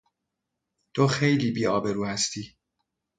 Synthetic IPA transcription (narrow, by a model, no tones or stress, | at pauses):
t̪ʰoxejliːbiːɒːbe̞ɾuːhæst̪ʰiː